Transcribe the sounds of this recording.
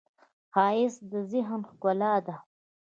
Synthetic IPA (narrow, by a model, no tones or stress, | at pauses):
xɑːɪsd̪əzɪɦnxkʊlɑd̪a